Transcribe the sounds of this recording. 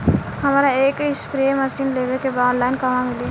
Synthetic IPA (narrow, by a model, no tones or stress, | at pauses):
həmɾaeːkispɾeeməsiːnleʋekebaɔ̃ːnlaɪnkəmãmile